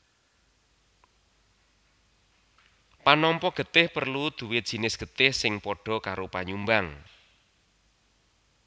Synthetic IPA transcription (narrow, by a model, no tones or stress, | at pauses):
panɔmpɔɡ̥ə̤t̪ɪhpərlud̪̥ṳwɪ̥ʒ̥i̤nɪsɡ̥ə̤t̪ɪhsɪŋpɔɖ̥ɔ̤kaɾopaɲumbaŋ